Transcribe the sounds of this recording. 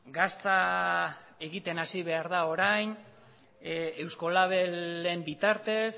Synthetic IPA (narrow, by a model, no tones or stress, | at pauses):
ɡast̪a | e̞ɣit̪e̞nasiβe̞aɾðao̞ɾajn | e̞wsko̞laβ̞elembit̪aɾt̪e̞s